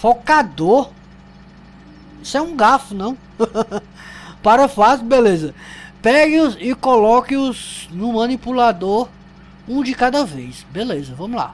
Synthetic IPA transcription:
fokad̪oɾ | isɛũɡafʊnɐ̃w̃ | paɾɐfasbelezɐpɛɡɪʊzɪkolɔkɪʊznʊmɐ̃nipulad̪oɾ | ũd͡ʒɪkad̪ɐvejsbelezɐvɐ̃mʊla̰

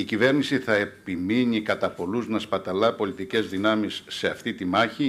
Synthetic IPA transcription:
icive̞ɾnisiθɐe̞piminikɐt̪ɐpo̞luznɐspɐt̪ɐlɐpo̞lit̪ice̞zðinɐmisːe̞ɐft̪it̪imɐçi

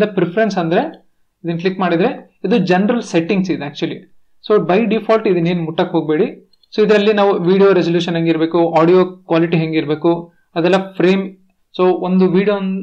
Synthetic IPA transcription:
d̪epɾepʰɐɾensɐnd̪ɾe̞ | id̪ɐnklikmaːɽid̪ɾe | id̪ud͡ʒɐnɐɾɐlseʈːiŋɡsid̪eæːk̚t͡ʃuɐli | soːbɐjɖipʰaːlʈid̪ɐneːnmuʈːɐkɦoːɡ̚be̞ːɽi | soːid̪ɾɐlːinaːʋuʋiːɽijoːɾezɐljuːʃɐnɦɐŋɡiɾbe̞ːkuaːɽijoːkʋaːliʈiɦɐŋɡiɾbe̞ːku | ɐd̪ɛlːɐpʰɾeːm | soːond̪uʋiːɽijoːn

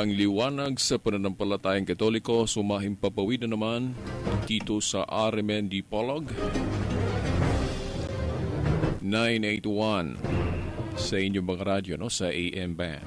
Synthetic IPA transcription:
ɐŋliwaːnɐɡsɐpɐnɐnɐmpɐlɐt̪aːjɐŋkɐt̪olɪko̞sʊmaːɦɪŋpɐpɐwiːd̪ɐnɐmand̪it̪osɐ̰ʔaɾmɛnd̪ipoloɡ | najnejt̪wan | sɐʔɪɲːomɐŋaɾad̪jonosɐʔeʔɛmba̰

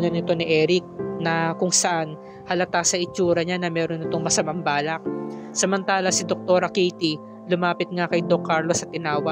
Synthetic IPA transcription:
nɐnɪt̪o̞nɪʔɛːɾɪk̚nɐkʊŋsɐʔan | hɐlɐt̪asɐʔɪt͡ʃuːɾɐɲanɐmɛːɾo̞nɪt̪o̞ŋmɐsɐmɐmbaːlɐk̚sɐmɐnt̪aːlɐsɪd̪ok̚t̪o̞ːɾɐkejt̪i | lʊmaːpɪt̪̚ŋakɐjd̪okːaɾlo̞sɐt̪ɪnaːwɐ

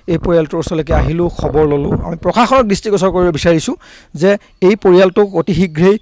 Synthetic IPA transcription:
ejpoɹijaltʊusɔlek̬ɛaɦilʊ̃kʰɔbɔɹlɔlʊa̰mipɹɔkʰaxɔnɔɡɹistiɡɔsɔɹkoɹibɔbisaɹisʊ̃ | zɛ | ejpoɹijaltʊkotixiɡɹej

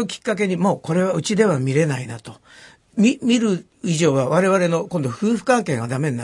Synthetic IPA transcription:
okʲi̥kːak̬e̞ɲ̟imo̞ːko̞ɾe̞βaɯ̟t͡ɕid̪e̞β̞amʲiɾe̞nainat̪o̞ | mʲimʲiɾɯ̟ | iʑo̞ːβaβaɾe̞β̞aɾe̞no̞kõnd̪o̞ɸɯ̟ːɸɯ̥kãŋke̞ːŋɡad̪ame̞ɲʲina

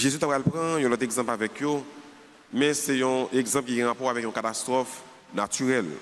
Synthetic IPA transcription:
ʒezyt̪apalpʁãjɔ̃lɔt̪eɡzɑ̃pavɛkjo | mɛ̃sɛjɔ̃eɡzãpkiɡɛ̃ʁapɔʁavɛkjɔ̃kat̪ast̪ʁɔf | natyʁɛl

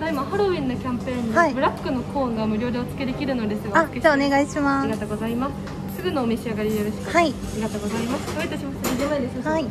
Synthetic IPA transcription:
d̪aimahaɾoĩnːokʲãmpẽ̞ːnaibɯ̟ɾakːɯ̟no̞kʰõːŋɡamɯ̟ɾʲo̞ːd̪e̞ot͡sɨ̥ke̞d̪e̞kʲiɾɯ̟no̞d̪e̞sɨɡaad͡ʑaːone̞ɡaiɕimaiɡat̪oːɡo̞zaimasɨ̥ | sɨɡɯ̟noːmeɕiaɡaɾʲijoɾoɕi̥kaiaɾʲiɡat̪oːɡo̞zaimasɨ̥koet̪ːeɕimasnidenaid̪e̞sɨhai

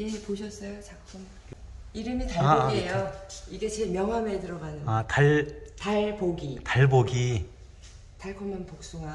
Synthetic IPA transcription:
jepoɕʰʌs͈ʌjot͡ɕakk͈ʰɯm | iɾɯmitaejoiɡe̞t͡ɕemjʌŋɦametɯɾʌɡanɯataɭtaɭpoɡitaɭboɡi | taɭkʰomʌnpok̚s͈uŋa

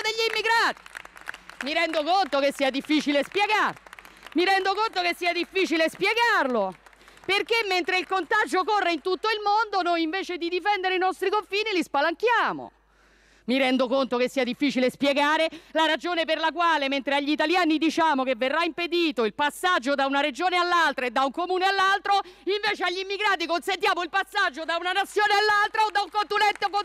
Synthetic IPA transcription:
d̪eʎːimːiɡɾaːt̪i̥ | miɾɛnd̪okont̪okesːiːad̪ifːit͡ʃilespjeɡarmiɾɛnd̪okont̪okesːiːad̪ifːiːt͡ʃilespjeɡarlo | perkemːent̪ɾeilkont̪ad͡ʒokorːeint̪ut̪ːoilmond̪onojiɱveːt͡ʃed̪id̪ifɛnd̪eɾeinɔst̪ɾikoɱfiːnilispalaŋkjaːmo̰ | miɾɛnd̪okont̪okesːiːad̪ifːiːt͡ʃilespjeɡaːɾelaɾad͡ʒoːnep̬erlakwaːlement̪ɾeaʎːit̪aljaːnid̪it͡ʃaːmokevːerːaimped̪iːt̪oilpasːad͡ʒːod̪aunaɾed͡ʒoːnealːalt̪ɾaed̪ːauŋkomuːnealːalt̪ɾoiɱveːt͡ʃeaʎːimːiɡɾaːt̪̬ikonsent̪jaːmoilpasːad͡ʒːod̪aunanat̪sːjoːnealːalt̪ɾaod̪ːauŋkont̪unɛnt̪eko

